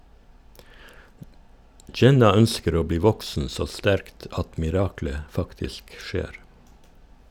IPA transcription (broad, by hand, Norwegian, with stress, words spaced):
ˈd͡ʒɛnɑ ˈœnskəɾ ˈoː ˈbliː ˈʋɔksn̩ ˈsoː ˈstæɾkt ˈɑt mɪˈɾɑːklə ˈfɑktɪsk ˈʃeːɾ